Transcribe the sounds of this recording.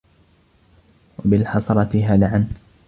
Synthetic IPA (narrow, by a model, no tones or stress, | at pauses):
wabɪlħɑsˤɑɾˤɑt̪ɪɦalaʕan